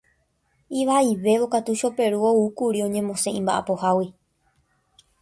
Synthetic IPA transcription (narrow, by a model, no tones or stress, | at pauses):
iʋaiʋe̞ʋo̞kat̪uʃo̞pe̞ɾuoukuɾiõ̞ɲẽ̞mõsẽ̞ĩmba̰ʔa̰po̞hawi